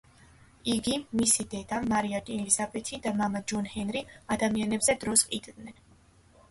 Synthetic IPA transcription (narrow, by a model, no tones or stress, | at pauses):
iɡimisid̪ɛd̪amaɾiat̪ʼiɛlizabɛt̪ʰid̪amamad͡ʒɔnhɛnɾiad̪amianɛbzɛd̪ɾɔsqʼid̪ʼd̪nɛn